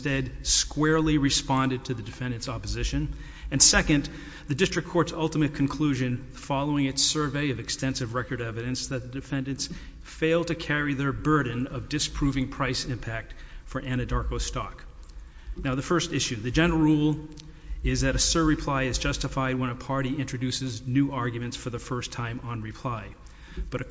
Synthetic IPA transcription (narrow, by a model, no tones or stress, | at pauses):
tɛdskwɛɹlˠiɹɨspɑ̃ndɨd̚tʰɨðɨdɨfɛ̃ndɨ̃nsɑpɨzɪʃɨ̃n | ɨ̃nsɛkɨ̃n | ðɨdɪstɹ̥ɨkʰɔɹtsʌlˠtəmɨt̚kʰn̩kʰl̥ʉʒɨ̃nðəfɑlˠoʊɪ̃ŋɨtsɜ˞veɪʌvɨkstɛ̃nsɨvɹɛkə˞ɾɛvɨɾɨ̃nsðɨt̪̚ðɨdɨfɛ̃ndɨ̃nts | feɪlˠd̚tʰɨkʰɛɹiðə˞bɜ˞dⁿn̩ʌvdɨspʰɹ̥uvɪ̃ŋpʰɹ̥aɪsɪ̃mpʰæk̚tfə˞ʔæ̃ɾ̃ɨdɑɹkoʊstɑ̰k | naʊðɨfɜ˞stɪʃʉðɨd͡ʒɛ̃nl̩ˠɹulˠ | ɪzðɨɾɨsə˞ɹɨpʰl̥aɪɨzd͡ʒʌstəfaɪd̚wə̃ñəpʰɑɹɾiɪ̃nt͡ʃɹ̥ɨdʉsɨznʉɑɹɡjmɨ̃ntsfə˞ðəfɜ˞stʰãɪ̃mə̃nɹɨpʰl̥aɪ | b̥ʌɾɨ